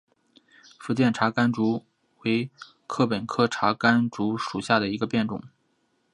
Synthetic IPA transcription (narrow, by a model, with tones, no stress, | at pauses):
fu˧˥t͡ɕjɛ˥˩nʈ͡ʂʰa˧˥ka˥nʈ͡ʂu˧˥ | we˧˥ɪ | kʰɤ˥˩pə˨˩nkʰɤ˥˩ʈ͡ʂʰa˧˥ka˥nʈ͡ʂu˧˥ʂu˨˩ɕja˥˩d̪ə˩i˧˥ɡə˧pjɛ˥˩nʈ͡ʂʊ̰˨˩˦ŋ